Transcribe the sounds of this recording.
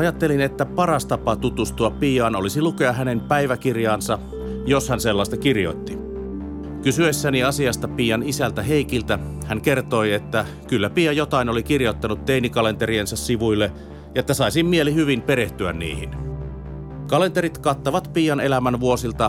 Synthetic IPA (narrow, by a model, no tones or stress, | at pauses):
ɑjɑt̪ːelinet̪ːæpɑrɑst̪ɑpɑt̪ut̪ust̪uɑppiːɑːnolisilukeɑɦænempæiʋækirjɑːnsɑ | joshænselːɑˑist̪ɑkirjo̰it̪ːi | kysyesːæniɑsiɑst̪ɑpiːjɑnisælt̪æɦeikilt̪æhæŋkert̪o̞iet̪ːæ | kylːæpiːɑjot̪ɑinolikirjot̪ːɑnut̪t̪einikɑle̞nt̪eriensɑssiʋujlːe | jɑet̪ːæsɑisimmielihyʋimpeɾeht̪yæ̰nnḭːhḭn | kɑlent̪eɾit̪kɑt̪ːoʋɑt̪piːjɑnelæmænʋuosilt̪ɑ